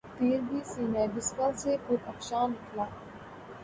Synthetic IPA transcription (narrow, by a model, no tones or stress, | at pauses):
t̪iːɾbiːsiːnaːbɪskalsepʊɾəkʃaːnɪkʰlaː